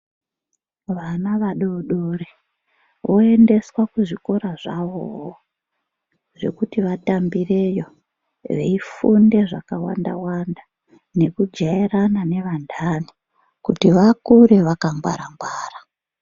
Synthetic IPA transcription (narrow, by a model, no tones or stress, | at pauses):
ʋanaʋaɗoɗore | ʋo̞ende̞swakuʐiko̞ɾaʐaʋo̰ɦo | ʐe̞̰kutiʋatambire̞jo̞ | ʋe̞̰ifunde̞ʐakawa̰nda̰wanda | ne̞kud͡ʒaiɾanane̞ʋandʱani | kutiʋakuɾeʋakambwa̰ɾambwaːra